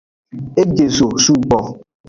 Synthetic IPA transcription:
e˦ɡe˨so˨su˦˨k͡pɔ˨

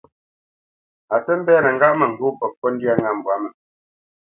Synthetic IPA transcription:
a˨tə˦m̩˦bɛ˦nə˨ŋ˨ɡa˦ʔmə˨ŋ̩˨ɡu˦pɔ˨pɔ˦n̩˦di˦a˦˨ŋa˨m̩˨bwa˨˦mə˨

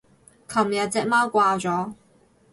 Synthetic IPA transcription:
kʰɐ˨˩mjɐ˨t̚t͡sɛː˧k̚maː˥wkʷaː˧t͡sɔː˨˥

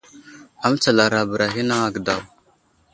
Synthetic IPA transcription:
a˨m˦t͡sa˨la˨ɾa˨bə˨ɾa˨ɦi˦na˦a˨ɡda˨w

